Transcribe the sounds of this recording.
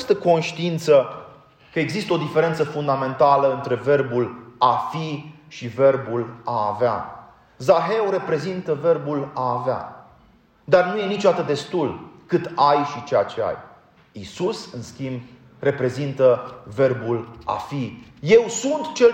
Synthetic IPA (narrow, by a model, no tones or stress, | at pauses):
st̪əko̞nʃt̪iint̪sə | kəe̞ɡzist̪əo̞d̪ife̞ɾe̞nt̪səfund̪ame̞nt̪aləɨnt̪ɾe̞ve̞rbulafi | ʃive̞rbula̰ːvea̰ | zaɦe̞wɾe̞pɾe̞zint̪əve̞rbulaːvea̰ | d̪arnuje̞nit͡ʃod̪at̪əd̪e̞st̪ulkɨt̪ajʃit͡ʃejat͡ʃe̞a̰j | isusɨnskʲimb | re̞pɾe̞zint̪əve̞rbula̰fije̞wsunt̪t͡ʃel